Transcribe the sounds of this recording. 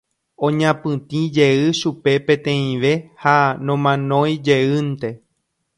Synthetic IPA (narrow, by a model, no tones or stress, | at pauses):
õɲãpɨ̃t̪ĩd͡ʒe̞ɨʃupe̞pẽ̞t̪ẽ̞ĩʋehanõ̞mãnõ̞j̃d͡ʒeɨnt̪e̞